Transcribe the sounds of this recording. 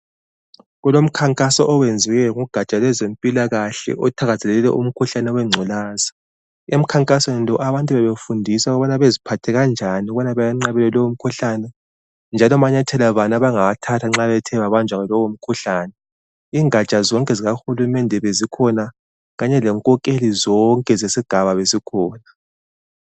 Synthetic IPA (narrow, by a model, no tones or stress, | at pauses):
ɣulom̩kʰaŋkʼasɔʔɔwend͡zʱiɣɛŋuɡ̥ʱat͡ʃʼalwɛzempʼilaɣaɬɛ̰ʔɔtʰaɣazɛlɛɛlɛ̰ʔṵm̩kʰuɬanɛɔwɛŋ͡ǀʱulaːza | em̩kʰaŋkʼaswenlɔʔaβantʼuβɛβefundʱisaɣɔβɔnaβezipʰatʰɛɣand͡ʒʱaniɔβɔnaβajaŋ͡ǀaβɛlɛlɔwum̩kʰuɬanɛ | nd͡ʒʱalɔmaɲatʰɛlaβanaβaŋawatʰatʰaŋ͡ǁaβɛtʰɛβaβand͡ʒʱwaɣɛlɔwom̩kʰuɬaːnɛ | iːŋʱat͡ʃʼazɔŋkʼɛziɣaxulumɛndʱɛβezikʰɔna | ɣaɲɛlɛŋkʼɔkʼelizɔŋkʼɛzesiɡ̥ʱaβaβesikʰɔːna